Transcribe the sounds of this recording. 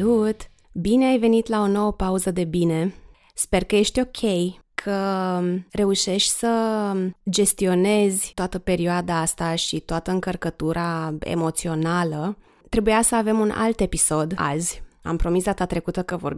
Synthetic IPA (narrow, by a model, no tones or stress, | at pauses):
ut̪ | bine̞ajve̞nit̪lao̞no̞wəpauzəd̪e̞bine̞ | spe̞rkəje̞ʃt̪ʲo̞kʲʰe̞jkʰə | re̞uʃe̞ʃt̪ʲsə | d͡ʒe̞st̪io̞ne̞zʲt̪oat̪əpe̞ɾioad̪aːst̪aʃit̪oat̪əɨŋkərkət̪uɾʔaḛmo̞t̪sio̞nalə | t̪ɾe̞bujasəave̞muna̰lt̪e̞piso̞d̪a̰zʲa̰mpɾo̞misd̪at̪at̪ɾe̞kut̪əkəvo̞r